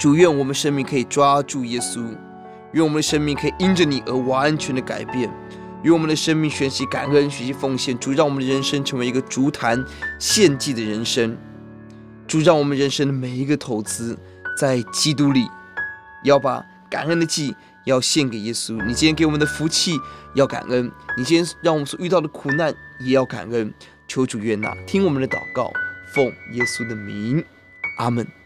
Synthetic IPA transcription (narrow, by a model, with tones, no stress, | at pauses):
ʈ͡ʂu˨˩ɥɛ˥˩nwɔ˨˩mə˦n˧ʂə˥nmi˥˩ŋkʰɤ˧˥i˨˩ʈ͡ʂwa˥ʈ͡ʂu˥˩jɛ˥su˥ | ɥɛ˥˩nwmə˦nd̪ə˧ʂə˥nmi˥˩ŋkʰɤ˧˥i˨˩ʔi˥nʈ͡ʂə˨ni˨˩ʔə˞˧˥wa˧˥nt͡ɕʰɥɛ˧˥nd̪ə˧ka̰˨˩ɪpjɛ˥˩n | ɥɛ˥˩nwɔ˨mə˦nd̪ə˧ʂə˥ŋmi˥˩ŋɕɥɛ˧˥nɕi˧˥ka̰˨˩nə˥nɕy˧˥ɕi˧˥fo˥˧ŋɕjɛ˥˩nʈ͡ʂu˨˩ɻɑ˥˩ŋwɔ˨˩mə˦nd̪ə˧ɻə˧˥nʂə˥ŋʈ͡ʂʰɤ˧˥ŋwe˧˥ɪi˧˥ɡə˧ʈ͡ʂu˧˥t̪ʰa˧˥nɕjɛ˥˧nt͡ɕi˥˩d̪ə˩ɻə˧˥nʂə˥ŋ | ʈ͡ʂu˨˩ɻɑ˥˩ŋwɔ˨˩mə˦nɻə˧˥nʂə˥ŋd̪ə˨˩me˨˩ɪi˧˥ɡə˧t̪ʰo˧˥ʊt͡sɹ̩˥ | t͡sa˥˩ɪt͡ɕi˥t̪̬u˥li˨˩ | jɑ˥˩ʊpa̰˨˩ | ka̰˨˩nə˥nd̪ə˧t͡ɕi˥˩ | jɑ˥˧ʊɕjɛ˥˩nke˨˩ɪjɛ˥su˥ni˨˩t͡ɕi˥kɪwɔ˨˩m˦nd̪ə˧fu˧˥t͡ɕʰi˥˩jɑ˥˩ʊka̰˨˩nə˥nni˨˩t͡ɕi˥ɻɑ˥˩ŋwɔ˨˩mə˦nswɔ˨˩y˥˧t̪ɑ˥˩ʊd̪ə˩kʰu˨˩na˥˩njɛ˨˩jɑ˥˩ʊka̰˨˩nə˥n | t͡ɕʰjo˧˥ʊʈ͡ʂu˨˩ɥɛ˥na̰˥˩t̪ʰi˥ŋwɔ˨˩mə˦nd̪ə˧t̪ɑ̰˨˩ʊkɑ˥˩ʊfo˥˩ŋjɛ˥su˥d̪ə˨mi˧˥ŋ | ʔa˥mə˥˩n